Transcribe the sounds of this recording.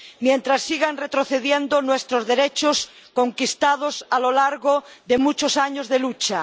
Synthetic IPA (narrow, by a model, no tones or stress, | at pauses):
mjent̪ɾasːiɣanret̪ɾoθeðjend̪onwest̪ɾozðeɾet͡ʃos | koŋkist̪að̞osalolaɾɣoðemut͡ʃosaɲozðelut͡ʃa